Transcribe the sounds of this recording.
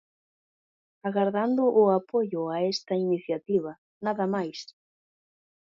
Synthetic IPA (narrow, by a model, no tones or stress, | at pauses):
aɣaɾðand̪ʊʔːapojʊaɛst̪ɐiniθjat̪iβ̞ɐ | naðɐmajs